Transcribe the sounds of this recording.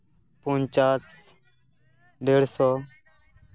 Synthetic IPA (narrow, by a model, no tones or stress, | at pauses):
poːnt͡ʃaːs | ɖeːɽsoː